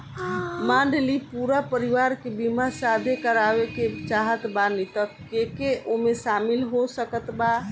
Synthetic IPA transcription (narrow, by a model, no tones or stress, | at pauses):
maɳɖlipuɾapəɾiʋaɾkebimasad̪ʱekəɾaʋeket͡ʃaɦət̪banit̪ə | kekeʔomesamilɦosəkət̪ba